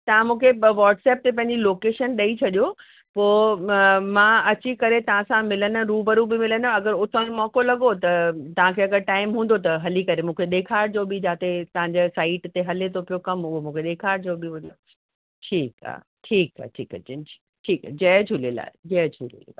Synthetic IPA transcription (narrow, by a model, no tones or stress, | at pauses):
t̪ɐʋãmũːkʰeʋaːʈsɛːp̚t̪epɐ̃ɦɪ̃ɲd͡ʑiloːkeːʃənɗɐit͡ɕʰɐɗijo | poː | mãːɐt͡ɕikɐɾet̪ɐʋ̤ãsãmɪlənʊɾuːbɐɾubɪmɪlənʊ̆ɐɡəɾʊt̪ʰənmɔːkolɐɠot̪ɐt̪ɐʋ̤ãkʰeːɐɡəɾʈaːɪmɦũːn̆d̪ot̪̬ɐɦɐlikɐɾemũːkʰeɗeːkʰaːɾd͡ʑoːbɪd͡ʑaːt̪et̪ɐʋ̤ãɲd͡ʑesaːɪʈt̪eɦɐlet̪ʰopijokɐmʊɦomũːkʰeɗeːkʰaːɾd͡ʑoːbɪʋɐd̪o | ʈʰiːka̰ː | ʈʰiːka̰ʈʰḭːkɐt͡ɕɪnʰi̥ | ʈʰiːka̰d͡ʑɐːd͡ʑʰʱuːlila̰ːd͡ʑɐːd͡ʑʰʱulḭlː